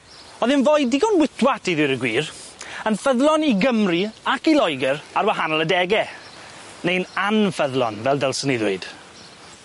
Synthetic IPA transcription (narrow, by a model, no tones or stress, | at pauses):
ɔðɪnvoːɨdiɡɔnwɪtʰwatʰiðɪɾəɡwiːr | ənfəðlˠɔniɡəmriakilɔjɡəɾarwaɦanɔlˠədɛɡɛ | nejnanfəðlˠɔ̰nvɛlˠdəlˠsəniðwɪ̰ɨd̥